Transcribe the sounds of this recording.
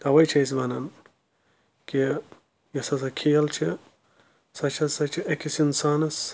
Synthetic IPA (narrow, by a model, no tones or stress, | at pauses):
t̪ɐʋɐjt͡ʃʰɐisbɐnɐn | ki | jɐsɐs̬ɐkʰijɐlt͡ʃʰi | sɐt͡ʃʰɐsɐt͡ʃʰiʔekisinsaːnɐs